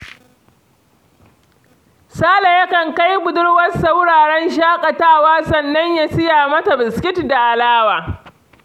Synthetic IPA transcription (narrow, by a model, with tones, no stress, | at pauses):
saː˦la˨jɐ˦kɐ˨ŋka˦jbʊ˨dʊ˦ɽwɐ˦sa˦wɽaː˨ɽɛ˦nʃaː˦kʼa˨taː˦˨waː˦sɐ˦˨nːɐ˦ɲja˦sɪ˦jaː˨mɐ˦ta˨bɪ˨skʲɪ˦tda˨ʔa˨laː˦waː˨